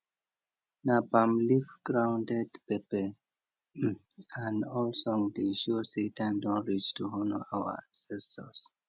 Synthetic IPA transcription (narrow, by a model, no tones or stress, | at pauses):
nabãmlifɡɹãw̃ndɛdpepɛ | ãnɔlsɔ̃ŋdẽʃusitʰãndɔ̃nɹit͡ʃtʰuhɔnə̰awə̰aksɛsɔs